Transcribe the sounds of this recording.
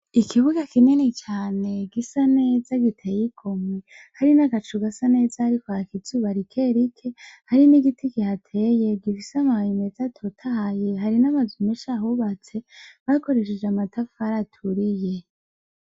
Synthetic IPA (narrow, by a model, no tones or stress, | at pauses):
ikʰiβuɡakinenet͡ʃaːne̞ɡisane̞zaɡitʰejikʰo̞mwe | haɾinaɡat͡ʃuɡasane̞ːzahaɾikoakizuβaɾikʰe̞ɾikʰehaɾiniɡitʰikihatʰe̞je̞bɡivisamaajinezatʰotʰahajeɦaɾinaβazumeʃahuβat͡se̞βako̞ɾe̞ʃ̬ed͡ʒeamatʰafaɾatʰuɾije̞